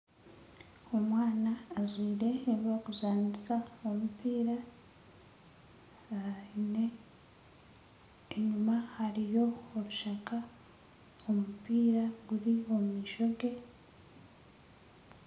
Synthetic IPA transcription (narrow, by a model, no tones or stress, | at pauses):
omwaːnaːzwiːɾe̞ːiβoɡuzaːndizaomupiːɾa | ne | eɲumahaɾijo̞oɾuʃaka | omupiːɾaɡuɾiommiʃo̞ɡe̞